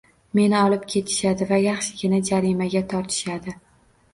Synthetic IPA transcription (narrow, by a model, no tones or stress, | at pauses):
me̞nɪɒlˠɪp̚kʲʰe̞t̪ʰɪ̥ʃad̪ɪvajaχʃɪɡʲɪnad͡ʒaɾimaɡʲat̪ʰɒɾt̪ʰɪ̥ʃad̪ɪ